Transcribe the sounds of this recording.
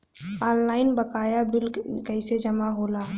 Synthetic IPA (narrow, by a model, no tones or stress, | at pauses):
ɔːnlaːɪnbəkaːjabɪlkəɪsed͡ʒəmaɦoːlaː